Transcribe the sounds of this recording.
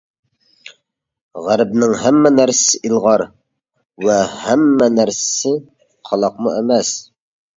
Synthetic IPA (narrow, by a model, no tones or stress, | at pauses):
ʁæɾbnɪŋɦæmːɛnæɾsɪ̥sɪʔilˠʁɑɾ | wɛhæmːɛnæɾsɪ̥sɪ | qʰɑlˠɑqmuɛmɛs